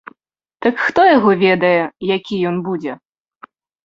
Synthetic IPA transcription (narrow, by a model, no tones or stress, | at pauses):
t̪ɐkxt̪ɔjɐɣɔʋʲɛd̪ɐjɛjakʲijɔnbud͡zʲɛ